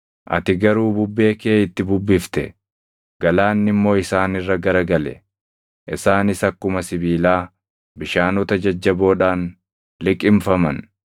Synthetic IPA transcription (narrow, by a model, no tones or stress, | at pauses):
ʔɐ̰t̪ɪɡɐɾuːbʊbːe̞ːkeːɪt̪ːɪbʊbːɪft̪ɛ̰ | ɡ̥ɐlaːnːɪmːo̞ːɪsaːnɪrːɐɡɐɾɐɡɐlɛ̰ | ʔɪsaːnɪsɐkːʊmɐsɪbiːlaː | bɪʃaːnɔt̪ɐd͡ʒɐd͡ʒːɐboːᶑaːn | lɪkʼɪmfɐmɐn